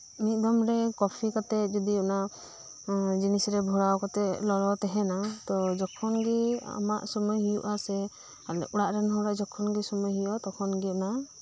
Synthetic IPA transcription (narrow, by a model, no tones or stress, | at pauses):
mit̪̚ˀd̪ɔmɾɛkɔpʰikat̪ɛd͡ʒɔd̪iɔna | d͡ʒinisɾɛbʱɔɽawkat̪ɛʔlɔlɔt̪ɛɦɛnat̪ɔd͡ʒɔkʰɔnɡia̰ma̰ʔsɔmɔjɦijṵʔasɛ | alɛ̰uɽaʔɾɛnɦɔɾɛd͡ʒɔkʰɔnɡisumɔjɦijɔt̪ɔkʰɔnɡina